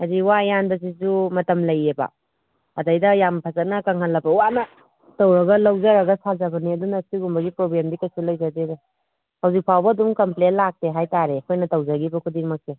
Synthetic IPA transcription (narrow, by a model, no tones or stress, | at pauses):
aziwajanbɐs̬izumɐtɐmlɐjeba̰ | ɐdajdɐjampʰɐzɐnɐkɐŋɦalːɐbɐwanɐ | tɐwɾɐɡɐlɐwzɐɾɐɡɐsazɐbɐniɐdunɐsiɡumbɐɡipɾoblemdikɐsulɐjzadedu | hɐwzik̚pʰawbɐɐdumkɐmplenlak̚teɦajtaɾekʰojnɐtɐwzaɡibɐkʰudiŋmɐk̚se